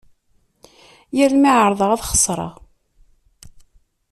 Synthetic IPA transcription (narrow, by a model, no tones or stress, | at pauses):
jəɾmiʕəɾˤðˤəʁæðχə̥sˤɾˤɑ̰ʁ